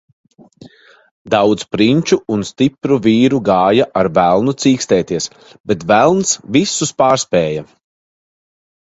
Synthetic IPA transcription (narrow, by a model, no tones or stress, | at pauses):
d̪awd̪zpɾiɲʲt͡ʃuːnst̪ipɾuviːɾuɡaːjaʔaɾvælˠnut̪siːkst̪ɛːt̪iɛs | bɛt̪vælˠnsvisːuspaːɾspɛːja